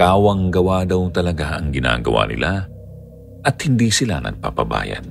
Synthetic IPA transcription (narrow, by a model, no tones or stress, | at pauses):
kaːwɐŋɡɐwad̪ɐwt̪ɐlɐɡaʔɐŋɡɪna̰ːɡɐwa̰nɪ̰lʔa | ʔɐt̪̚hɪnd̪iːsɪla̰nɐ̰ɡ̚papɐba̰ːjɐ̰d̪̚